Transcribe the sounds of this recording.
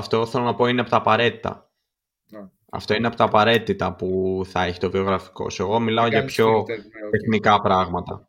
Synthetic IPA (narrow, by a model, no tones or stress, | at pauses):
ɐft̪o̞θe̞lo̞nɐpo̞ineɐpo̞t̪ɐːpɐɾe̞t̪i̥t̪ɐ̰ | ɐ̰ft̪o̞ineɐpo̞t̪ɐːpɐɾe̞t̪it̪ɐpuθɐeçi̥t̪o̞vio̞ɣɾɐfi̥ko̞̰se̞ɣo̞milɐo̞ʝɐpço̞t̪e̞xnikɐpɾɐɣmɐt̪ɐ̰